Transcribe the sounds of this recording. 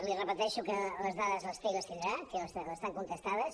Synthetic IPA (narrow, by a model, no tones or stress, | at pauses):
lirəpət̪ɛʃukələzðaðəzləst̪iɣəst̪ind̪ɾasiləsləst̪aŋkunt̪əst̪aðəs